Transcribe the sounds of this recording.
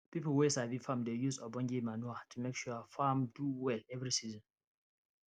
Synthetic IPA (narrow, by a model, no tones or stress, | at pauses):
pipowesavifãmdejusɔbɔ̃nd͡ʒimanuatumekʃufamduwɛlɛvɹisizɔ̃n